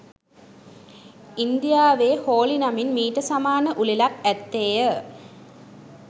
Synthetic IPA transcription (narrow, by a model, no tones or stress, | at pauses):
ind̪ijaːʋeːhoːlinaminmiːʈəsamaːnəʔulilak̚æt̪ːeːjə